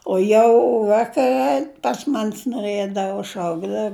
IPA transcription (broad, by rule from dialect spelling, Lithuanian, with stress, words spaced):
oː ˈjɛʊ ˈʋɑːkɐrʲɛ pɐs mɐnʲs noːˈrɘdɐʋoː ˈʃɐʊɡdɐw